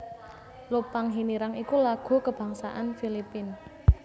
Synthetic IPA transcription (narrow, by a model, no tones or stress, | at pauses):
lopaŋɦiniɾaŋikulaɡ̥o̤kəb̥ä̤ŋsa̰ʔanfilipɪn